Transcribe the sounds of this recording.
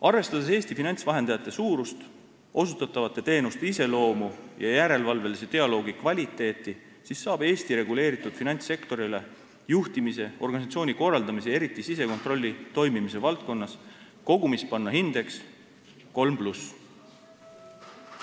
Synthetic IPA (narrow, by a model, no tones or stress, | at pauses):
ɑrve̞st̪ɑd̪ese̞ːst̪ifinɑnʲt̪svɑɦe̞nd̪̥ɑjɑt̪ˑːe̞suːɾust̪ | ʔo̞sut̪ːˑɑt̪ːˑɑvɑt̪ˑːe̞t̪e̞ːnust̪ise̞lo̞ːmujɑjæɾe̞lvɑlve̞lise̞t̪e̞ɑlo̞ːɡikvɑlʲit̪ˑːe̞ːt̪ːˑi | sisːɑːb̥e̞ːst̪iɾe̞ɡ̥ule̞ːɾit̪ːˑud̪̥finɑnʲt̪se̞kt̪o̞ɾile̞ | juht̪imise̞o̞rɡ̥ɑnisɑt̪sio̞ːnʲiko̞rːɑld̪ɑmis̬e̞e̞ɾit̪ːˑisise̞ko̞nt̪ˑro̞lʲːit̪o̞jmimise̞vɑlt̪̚ko̞nːɑs | ko̞ɡumispɑnːɑɦind̪̥e̞ks | ko̞lmplus